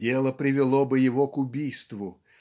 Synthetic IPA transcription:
elˠəpɾʲɪvʲɪlˠobɨjɪvokʊbʲijst̪vʊ

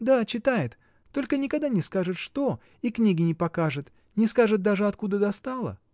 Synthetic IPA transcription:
d̪at͡ɕɪt̪ajɪt̪ː | o̞lʲkənʲɪkɐɡ̚d̪anʲɪskaʐɨt̪ʂt̪o̞ | iknʲiɡʲɪnʲɪpɐkaʐɨt̪ | nʲɪskaʐɨt̪̚d̪aʐɨɐt̪kud̪əd̪ɐst̪alˠə̰

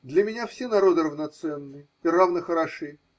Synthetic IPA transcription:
d̪lʲəmʲɪnʲafsʲenɐɾo̞d̪ɨɾəvnɐt̪sɛnːɨj | ɪravnəxəɾɐʂɨ

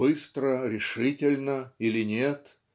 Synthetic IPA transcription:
ɨst̪ɾəɾʲɪʂɨtʲɪlʲnəilʲɪnʲet̪

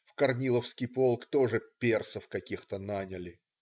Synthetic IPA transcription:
fkɐrnʲilˠəfskʲijpo̞lˠkt̪o̞ʐɨpʲersəfkɐkʲixt̪ənanʲɪlʲɪ

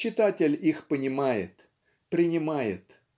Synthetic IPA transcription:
t͡ɕːɪt̪atʲɪlʲixpənʲɪmajɪ̰t̪ | pɾʲɪnʲɪmajɪ̰t̪

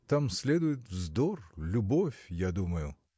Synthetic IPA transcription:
t̪amsʲlʲɛd̪ʊjɪt̪ʲvzd̪ɔrlʲʊbɔfʲjad̪umɐjʊ

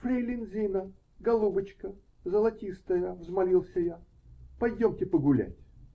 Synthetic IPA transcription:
fɾʲelʲɪnzʲinə | ɡɐlˠubət͡ɕkə | zəlˠɐtʲist̪əjəvzmɐlʲilˠsʲəja | pɐjdʲomtʲɪpəɡʊlʲæ̰tʲ

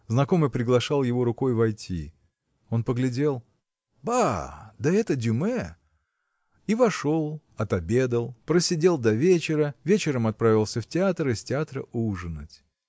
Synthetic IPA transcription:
znɐko̞mɨjpɾʲɪɡlˠɐʂɑlˠjɪvo̞ɾʊko̞jvɐjtʲʰḭ | o̞npəɡlʲɪdʲe̞lˠ | bad̪əɛt̪ədʲʊmɛ | ivɐʂo̞lˠ | ɐt̪ɐbʲe̞d̪əlˠpɾəsʲɪdʲe̞lˠd̪ɐvʲet͡ɕɪɾəvʲet͡ɕɪɾəmɐt̪̚pɾavʲɪlˠsʲəftʲɪat̪ɾisʲtʲɪat̪ɾəʔuʐɨnətʲ

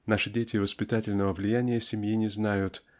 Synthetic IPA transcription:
naʂɨdʲetʲɪvəspʲɪt̪atʲɪlʲnəvəvlʲɪjænʲɪjəsʲɪmʲjinʲɪznajʊt̪

